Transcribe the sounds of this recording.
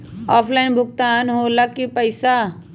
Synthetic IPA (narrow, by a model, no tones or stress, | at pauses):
ɔːpʰlaɪnbʱʊɡt̪aːnɦoːləkːipəɪsa